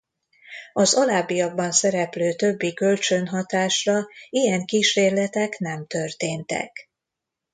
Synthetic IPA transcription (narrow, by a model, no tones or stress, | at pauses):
ɒzɒlaːbːijɒɡ̚bɒnsɛɾɛpløːt̪ø̞bːikø̞lt͡ʃø̞nɦɒt̪aːʃrɒijɛŋkiːʃeːrlɛt̪ɛknɛmt̪ø̞rt̪eːnt̪ɛ̰k